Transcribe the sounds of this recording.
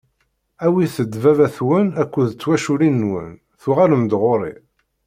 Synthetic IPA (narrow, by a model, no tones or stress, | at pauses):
æwiθəd̪ːvævæθwənækʷːuðt͡sːwæʃuɾinːwə̰n | θuʁaləmd̪ʁoɾˤḭ